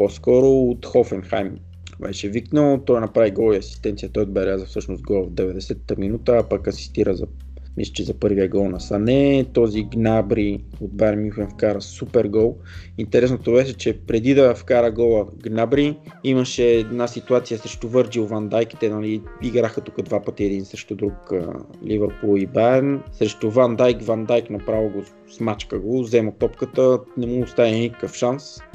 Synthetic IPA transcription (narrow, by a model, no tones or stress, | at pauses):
poskɔɾoːt̪xɔfɛnxa̰jm | bɛʃɛviknəlˠt̪ɔjnɐpɾaviɡɔlˠiɐsi̥st̪ɛnt̪sijət̪ɔjod̪bɛɾʲazəfsɤʃnʊst̪ɡɔlˠəvd̪ɛvɛd̪ɛsɛt̪ːəminut̪əːpɐkɐsi̥st̪iɾəzɐ | mislʲɐ̥t͡ʃɛzɐpɤɾviɛɡɔlˠnɐsɐnɛt̪ɔziɡnabɾi | od̪̚baɾmuxɛnfkaɾəsupɛɾɡɔlˠ | int̪ɛɾɛsnot̪obɛʃɛt͡ʃɛpɾɛd̪id̪ɐfkaɾəɡɔlˠəɡnabɾi | iməʃɛːd̪nasit̪uat̪sijəsɾɛʃt̪ovɤɾd͡ʒiʊvand̪ajki̥t̪ɛnɐliiɡɾaxət̪ukəd̪vapət̪iɛd̪insɾɛʃt̪od̪ɾukə̰ | livɛɾpulˠibaɾnsɾɛʃt̪ovand̪ajkvand̪ajknɐpɾavoɡo | smat͡ʃkəɡozɛmət̪ɔpkət̪ənɛmuʊst̪avinikə̥kəfʃans